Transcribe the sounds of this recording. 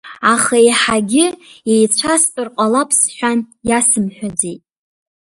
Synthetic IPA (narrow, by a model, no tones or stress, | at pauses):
aχaeħaɡʲɪejt͡ɕʷʰastʼɨrqʷʼalapʰsħʷᶣanjasɨmħʷᶣad͡zejtʼ